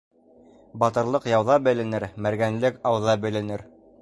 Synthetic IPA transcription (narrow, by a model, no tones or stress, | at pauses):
bɑt̪ɤ̆ɾlˠɤqjɑwðɑbɘ̆lɘ̆nɘɾmæɾɡænlɘkɑwðɑbɘ̆lɘ̆nɘɾ